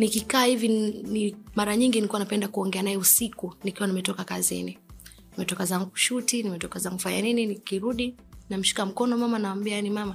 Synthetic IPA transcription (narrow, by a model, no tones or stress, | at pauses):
nikikaːhivinimaɾaɲiŋɡinikuwanapɛndakuɔŋɡɛanaɛusikunikiwanimɛtɔkakazḭni | nimɛtɔkazaŋɡuʃutinimɛtɔkazaŋɡufaɲa̰nininikiɾuɗi | nam̩ʃi̥kam̩kɔnɔmamanawambiajanimama